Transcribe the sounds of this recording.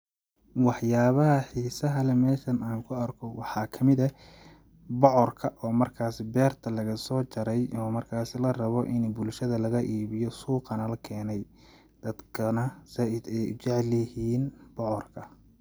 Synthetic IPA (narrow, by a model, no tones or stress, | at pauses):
wɑħjaːβɐɦɐħiːsɐɦɐlɛmɛːʃɐnaːŋkʰʊɐrkʰɔwɑħɑːkʰɐmɪðɐ | bɔʕɔrkʰɐʔɔːmɐrkʰaːsɪbɛːrt̪ʰɐlɐɣɐsɔːt͡ʃɐɾɛjɔːmɐrkʰaːsɪlɐrɐβɔʔɪnbʊlʃɐðɐlɐɣɐʔiːβɪjɔsuːqɐnɐlɐkʰɛːnɛj | d̪̥ɐd̪kʰɐnɐsɐɪd̪ɛjʊ̰t͡ʃɛʕlɐhiːnb̥ɔʕɔrkʰɐ